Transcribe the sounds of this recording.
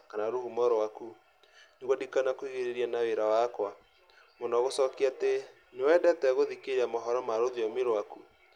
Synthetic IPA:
kanaɾuhumɔɾwaku | neɣwadikanakwiɣeɾeɾianaweɾawakwa | monɔɣosɔkiate | newɛdɛtɛɣoðikeɾamɔɦɔɾɔmaɾoðjɔmiɾwaku

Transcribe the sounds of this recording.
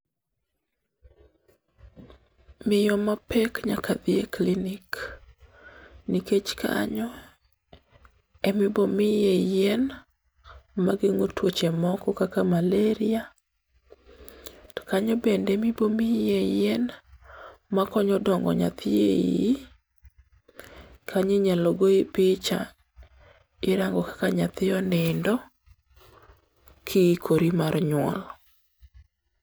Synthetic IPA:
mɪjɔmapɛkɲakad̪ɪeklinɪk | niket͡ʃkʰa̰ɲɔ | ɛmɪbomɪjejɛn | maɡɪŋotwot͡ʃemɔkɔkakamaleɾɪa | tɔ̥kaɲɔbɛndɛmibomijɛjɛn | makɔɲɔdɔŋɡɔ̰ɲa̰t̪ʰɪḛ | kʰaɲeɲaloɡoipɪt͡ʃa̰ | ɪɾaŋɡɔkḁkaɲat̪ɪɔnɪndɔ | kʰɪkʰoɾimaɾɲwɔ̰l

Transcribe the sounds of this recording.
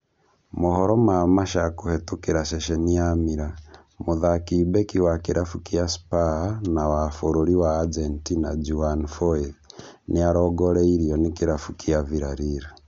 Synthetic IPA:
muhɔɾɔmamaʃakuhɛtukiɾaʃɛʃɛnijamiɾa | muðakibɛkiwakiɾʔafukiaspanawafoɾoɾiwaːd͡ʒentinad͡ʒuanfɔiniaɾɔɡɔɾɛiɾiɔnikiɾafukiaviɾaɾiɾa

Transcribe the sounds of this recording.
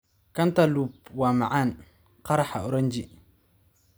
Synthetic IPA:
kantalupwamaʕan | qaɾaħaʊɾand͡ʒi

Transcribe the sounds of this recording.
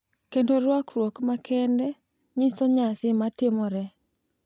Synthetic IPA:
kendoɾwakɾwokmakʰɛndɛ | ɲisɔɲasɪmatɪmɔɾɛ

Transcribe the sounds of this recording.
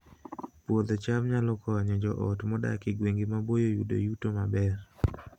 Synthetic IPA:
pwod̪ɔt͡ʃamɲalɔkɔɲɔd͡ʒɔʔɔtmɔda̰kɪɡweŋɡɪmabojojṵdo̰jutomabɛr

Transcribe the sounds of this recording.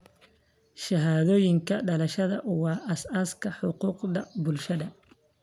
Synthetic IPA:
ʃɐɦaːðɔːjɪŋkʰɐɖɐlɐʃɐðɐʔʊwɑːʔɐsaskʰɐħʊquːqðɐbʊlʃɐðɐ

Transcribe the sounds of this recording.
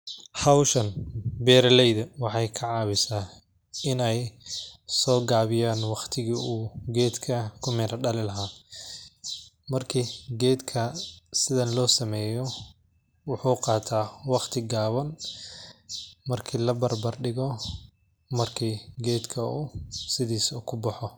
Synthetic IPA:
ħɑwʃɐnbɛːɾlɛjðɐwɑħɑjkʰɑʕɑːβɪsaː | ɪnɛj | sɔːɡaːβɪjaːnwɑqt̪ʰɪɣiːuːɡɛːd̪kʰɐkʰʊmɪɾɐɖɐlɪlɐɦa | mɐrkʰiːɡɛːd̪kʰɐsɪðɐnlɔːsɐmɛːjɔ | wʊħuːqɑːt̪ʰaːwɑqt̪ʰɪɡaːβɐn | mɐrkʰiːlɐbɐrbɐrɖɪɣɔ | mɐrkʰiːɡɛːd̪kʰɐusɪðiːsɔkʰʊbɐħɔ

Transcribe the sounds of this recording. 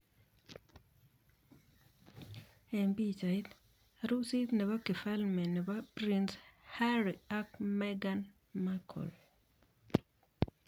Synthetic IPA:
ɛmbit͡ʃait̪ | ɾusit̪nɛβakifalmɛnɛbapɾinshaɾiakmɛɡan | makʰɔ̰l

